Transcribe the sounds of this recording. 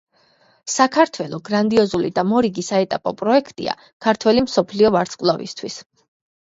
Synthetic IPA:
sakʰaɾt̪ʰwɛlˠɔɡɾand̪iɔzulḭd̪amɔɾiɡisaɛt̪ʼapʼɔpʼɾɔɛkʰt̪ʼḭa̰ | kʰaɾt̪ʰwɛlimsɔpʰliɔvaɾt̪sqʼvlˠɔvḭst̪ʰwis

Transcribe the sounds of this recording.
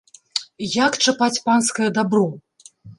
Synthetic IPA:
jakt͡ʂɨpat͡sʲpanskɐjɐd̪abɾɔ

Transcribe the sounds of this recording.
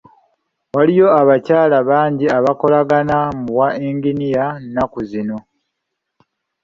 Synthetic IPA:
walijo̞aβacaːlaβaːɲɟiaβako̞laɡanamuβwaeŋɡinijannakuzino̞

